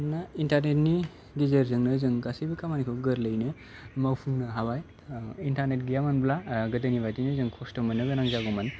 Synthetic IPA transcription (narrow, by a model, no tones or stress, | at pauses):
naintaɾnetni | ɡezəɾzɯŋnɯzɯŋɡasibikʰamanikʰɯɡɯɾlɯjnɯ | mawpʰuŋnɯɦabaj | intaɾnetɡijamɯnblaɡɯdɯnibajtinɯzɯŋkʰɔstɔmɯnːɯɡɯnaŋzaɡɔman